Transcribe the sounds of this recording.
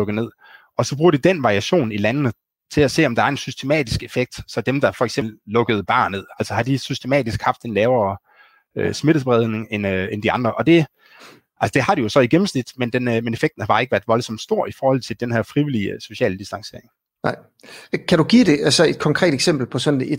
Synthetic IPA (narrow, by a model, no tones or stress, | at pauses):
ɔ̽ɡ̥əne̝ð̰ˠ | ɒ̽sɒ̽b̥ʁuːɐd̥id̥enʋɑ̈ʁiæɕo̝̰ːnilænənə | t͡sʰe̝læse̝̰ːɒ̽md̥ɑ̈æɐe̝nsysd̥e̝mɛ̰ːd̥isɡ̥e̝feɡ̥̚d̥sɒ̽d̥emd̥ɑ̈fɒ̽eɡ̥semllɔ̽ɡ̥əð̞̩ˠb̥ɑ̰̈ːnnːe̝ð̰ˠæl̰səhɑ̈d̥isysd̥e̝mɛ̰ːd̥isɡ̥hɑ̈fd̥enlɛːʊɐː | øsme̝ɾ̥əsb̥ʁɛð̞ˠneŋenøend̥iɑ̈nd̥ʁɐʔɒ̽d̥e̝ | ælsə̥d̥e̝hɑ̈ɾ̥ijo̝sɒ̽iɡ̥em̩snid̥mend̥enmene̝feɡ̥d̥n̩hɑhɑ̈e̝ɡəʋæɐd̥ʋɒ̽lsɒ̽md̥sd̥o̝ɐ̰ifɒːhɒ̽l̰t͡sʰe̝ld̥enhæɐfʁiʋiliso̝ɕɛ̰ːləd̥isd̥ɑ̈ŋse̝̰ɐ̰eŋ | nɑɪ | kʰæɾuɡ̥iːɾe̝ʔælsəe̝d̥̚kʰɒ̽ŋkʰʁɛ̰ːd̥eɡ̥sem̰b̥l̩pʰɒ̽sɒ̽ne̥